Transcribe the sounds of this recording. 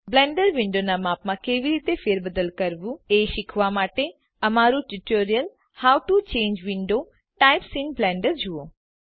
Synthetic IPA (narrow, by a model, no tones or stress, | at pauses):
blɛ̃ːɳɖəɾʋɪ̃ɳɖonamaːpmãkeːʋiɾiːt̪efeːɾbəd̪əlkəɾʋũeʃɪkʰʋamaːʈe | əmaɾũʈuʈoːɾijəl | hawʈut͡ʃẽːɲd͡ʒʋɪɳɖo | ʈaɪpsinblɛ̃ːɳɖəɾd͡ʒuo